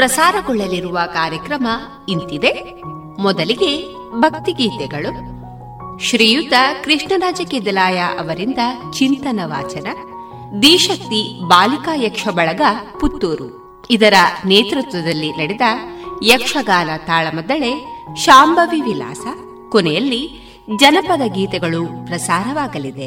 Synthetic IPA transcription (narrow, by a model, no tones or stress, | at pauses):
pɾɐsaːɾɐɡɔɭːɐliɾuʋɐkaːɾjɐkɾɐmɐ | int̪id̪e̞ | mɔd̪ɐliɡe̞ | bʱɐk̚t̪iɡiːt̪ɛɡɐɭu | ʃɾiːjut̪ɐkɾiʂɳɐɾaːd͡ʒɐkeːd̪ɐlaːjaʔɐʋɐɾind̪ɐt͡ʃint̪ɐnɐʋa̰ːt͡ʃɐnɐ | d̪iːʃɐt̪ːibaːlikaːjɐkʂɐbɐɭɐɡɐput̪ːuːɾṵ | id̪ɐɾɐneːt̪ɾut̪ʋɐd̪ɐlːinɐɽed̪ɐjɐkʂɐɡaːnɐt̪aːɭɐmɔd̪ɐɭe̞ʃaːmbʱɐʋiʋila̰ːsɐ | kɔnɛjɐlːi | d͡ʒɐnɐpɐd̪ɐɡiːt̪ɛɡɐɭupɾɐsaːɾɐʋaːɡɐlid̪e̞